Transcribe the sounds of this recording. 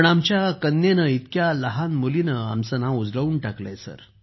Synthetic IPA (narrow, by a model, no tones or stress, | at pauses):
əɳamt͡ɕjakənːjenəit̪kjaləɦanmulinəa̰msənãud͡zləuːɳʈaklḛjsə̰ɾ